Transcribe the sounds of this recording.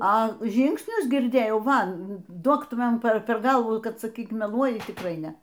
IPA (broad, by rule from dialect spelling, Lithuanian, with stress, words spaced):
ɐ ˈʒʲiːŋksʲnʲʊs ɡʲɪrʲˈdʲeːjɛʊ ˈʋɐ ˈdoːk ˈtʊ ˈmɐn ˈpʲɛr ˈpʲɛr ˈɡɐlˠʋuː ˈkɐt sɐˈkʲiːk mʲɛˈlˠuɔjɪ tʲɪkˈrɐɪ ˈnʲɛ